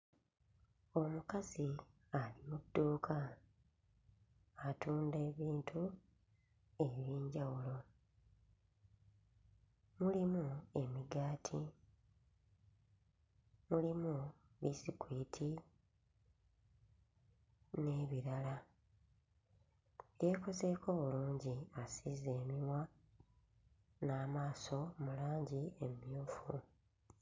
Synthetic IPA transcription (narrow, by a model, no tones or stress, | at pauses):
o̞mukazi | alimudːuːkʰa | tuːnde̞ːβiːntʰu | e̞βiːɲɟawulo̞ | mulimue̞miɡaːtʰi | mulimu | βisikwiːtʰi | ne̞ːβiɾala | jeːko̞ze̞ːkʰo̞ːβuluːɲɟiasizeːmiwa | naːmaːso̞mulaːɲɟiemjuːfṵ